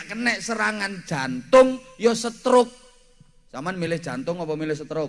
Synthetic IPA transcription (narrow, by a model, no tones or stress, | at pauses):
kənɛʔsəɾaŋand̥ʒ̥a̤nt̪ʊŋjɔsət̪ɾʊk̚ | samanmilɪhd̥ʒ̥a̤nt̪ʊŋɔpɔmilɪhsət̪ɾʊk